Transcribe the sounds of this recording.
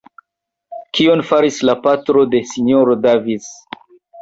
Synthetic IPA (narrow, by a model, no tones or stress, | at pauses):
kʰionfaɾislapatɾo̞de̞siɲoɾodavis